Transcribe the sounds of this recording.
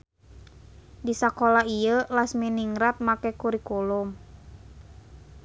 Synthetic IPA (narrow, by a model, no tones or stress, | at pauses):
disakɔlaijəlasminiŋɾat̪̚makɛkuɾikulum